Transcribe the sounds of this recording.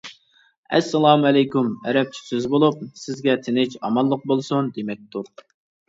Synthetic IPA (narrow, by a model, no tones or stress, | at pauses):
ɛ̰sːɛlˠɑmɛlɛjkumɛɾɛp̚t͡ʃʰi̥syzbolˠup̚sɪzɡʲɛt̪ʰɪnɪt͡ʃɑmɑlˠːəq̚bolˠsund̪emɛk̚ʲt̪uɾ